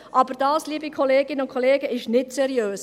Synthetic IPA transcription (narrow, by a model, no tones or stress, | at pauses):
ʔɑbəɾd̥ɑːsliːbikʰɔleːɡɪnəʊnkʰoleːɡəɪʃnɪtsɛɾiøːs